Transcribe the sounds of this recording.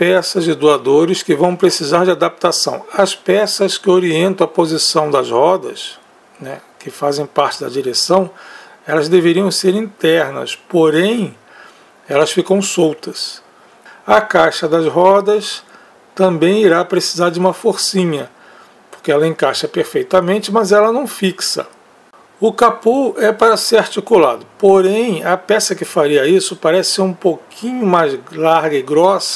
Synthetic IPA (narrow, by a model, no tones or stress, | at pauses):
pɛsɐzd͡ʒɪd̪uad̪oɾɪskɪvɐ̃w̃pɾesizaɾd͡ʒɪad̪ap̚t̪asɐ̰̃w̃ɐspɛsɐskɪoɾiẽnt̪ɐ̃w̃ɐpozisɐ̃w̃d̪ɐzhɔd̪ɐ̰s | nɛ | kɪfazẽj̃paɾt͡ʃɪd̪ɐd͡ʒiɾesɐ̃w̃ | ɛlɐzd̪eveɾiɐ̃w̃seɾĩt̪ɛɾnɐ̰spoɾẽj̃ | ɛlɐsfikɐ̃w̃sowt̪ɐs | ɐkajʃɐd̪ɐzɦɔd̪ɐs | t̪ɐ̃mbẽj̃iɾapɾesi̥zaɾd͡ʒɪũmɐfoɾsĩɲɐ | po̥ɾkɪɛlɐẽkaʃɐpeɾfejt̪ɐmẽnt͡ʃɪmɐzɛlɐnɐ̃w̃fiksɐ̰ | ʊkapuɛpaɾɐseɾaɾt͡ʃikula̰d̪ʊpoɾẽj̃ɐpɛsɐkɪfaɾiɐisʊpaɾɛsɪ̥seɾũpokʰĩɲʊmajzlaɾɡɐɪɡɾɔsɐ